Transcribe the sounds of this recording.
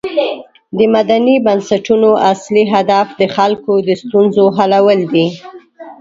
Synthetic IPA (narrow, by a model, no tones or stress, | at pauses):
d̪əmad̪anibansaʈunoasliɦad̪afd̪əxalkod̪əst̪unzoɦalawəld̪i